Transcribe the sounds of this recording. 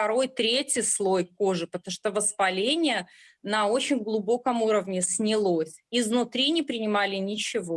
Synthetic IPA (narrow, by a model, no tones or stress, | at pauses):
ft̪ɐɾo̞jt̪ɾʲetʲjɪslˠo̞jko̞ʐɨpət̪ɐmuʂt̪ovəspɐlʲenʲɪjə | nɐo̞t͡ɕɪnʲɡlˠʊbo̞kəmuɾəvnʲɪsʲnʲɪlˠosʲiznʊt̪ɾʲinʲɪpɾʲɪnʲɪmalʲɪnʲɪt͡ɕɪvo̞